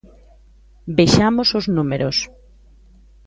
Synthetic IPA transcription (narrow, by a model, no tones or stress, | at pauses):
bejʃamosoznumeɾos